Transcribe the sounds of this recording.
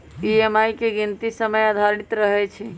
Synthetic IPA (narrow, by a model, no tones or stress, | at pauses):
iemajkeɡint̪isəməjəd̪ʱaɾɽ̃it̪ɾəɦɛt͡ʃʰɛ